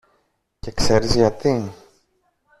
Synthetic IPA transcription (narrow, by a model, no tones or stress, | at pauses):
ce̞kse̞ɾizʝɐt̪i